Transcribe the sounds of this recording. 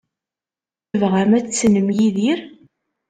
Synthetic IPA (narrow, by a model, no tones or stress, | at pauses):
vʁæmæt͡st͡sːnəmjiðiɾ